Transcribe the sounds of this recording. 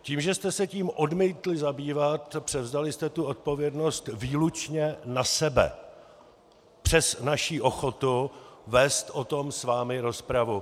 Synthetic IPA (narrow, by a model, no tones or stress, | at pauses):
ciːmʒɛst̪ɛsɛciːmʔo̞dmiːt̪lɪzabiːvat̪pr̝̥ɛvzalɪst̪ɛt̪uot̪̚po̞vjɛdno̞st̪viːlut͡ʃɲɛnasɛbɛ̰ | pr̝̥ɛsnaʃiːʔo̞xo̞t̪uvɛst̪ʔo̞t̪o̞msvaːmɪɾo̞spɾavu